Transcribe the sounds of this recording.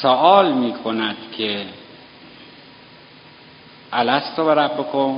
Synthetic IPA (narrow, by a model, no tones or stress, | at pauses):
soʔɒːlmiːkʰonæd̪̥kʰe | ʔælæst̪ʰobeɾæbbokʰo